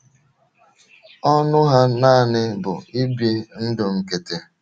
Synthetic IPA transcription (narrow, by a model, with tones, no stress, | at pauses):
ɔ˦nʊ˦ɦa˦naː˦˨nɪ˦bʊ̰˨i˦bje˦n̩˦dʊ˨ŋ̩˨ke˨te˨